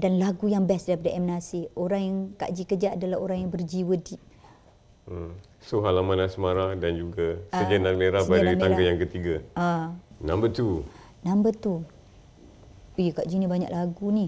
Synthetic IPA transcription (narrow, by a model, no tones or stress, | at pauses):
danlaɡujaŋbɛsdaɾip̬adaʔɛmnasioɾaŋjaŋka̰ʔd͡ʒikəd͡ʒaʔadalahoɾaŋjaŋbərd͡ʒiwədiʔ̚ | soɦalamanlasəmaɾahdand͡ʒuɡasəd͡ʒanaŋɡleɾabaɾaiaŋɡajaŋkət̪iɡaanãmbət̪u | nãmbət̪u | ikaʔd͡ʒinibaɲa̰ʔlaɡuni